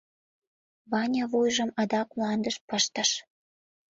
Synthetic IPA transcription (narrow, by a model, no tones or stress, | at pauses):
βɑnʲɑβujʒəmɑd̪ɑkmlɑnd̪əʃpəʃt̪ə̆ʃ